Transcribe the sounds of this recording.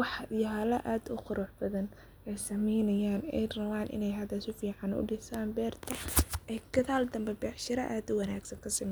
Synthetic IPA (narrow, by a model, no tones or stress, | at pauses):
wɑħjɐlɐʔaːd̪ʊqʊɾɔːħbɐðɐn | ɛjsɐmɛjnɐjaːnɛ̰jrɐwaːnʔɪ̰nɛjɦɐðɐsʊfiːʕɑnʊ̰ɖɪsaːnbɛːrt̪ʰɐʔɛjkʰɐðaːld̪ɐmbɛbɛːħʃɪɾɐʔaːd̪ʊwɐnaːɡsɐŋkʰɐsɐmɛ